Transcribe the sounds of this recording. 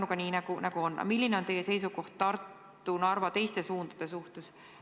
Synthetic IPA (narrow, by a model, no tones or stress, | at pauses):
nukɑnʲiːnɑɡunɑɡuo̞nːɑ̰milʲːineont̪e̞jese̞jsuko̞ht̪t̪ɑrt̪ː | unɑrvɑt̪e̞jst̪e̞suːnd̪̥ɑd̥̪e̞suht̪es